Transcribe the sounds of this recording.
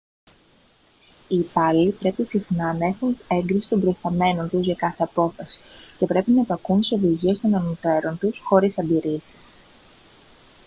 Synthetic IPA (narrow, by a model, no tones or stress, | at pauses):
ipɐlit̪ɾe̞pisixnɐnɐe̞xune̞ŋɡɾisi̥t̪o̞mbɾo̞jst̪ɐme̞no̞nt̪uzʝɐkɐθe̞ɐpo̞fɐsi̥ce̞pɾe̞pinɐepɐkunt̪i̥soðiʝie̞st̪o̞nɐnut̪e̞ɾo̞nt̪usxo̞ɾisɐd̪iɾisis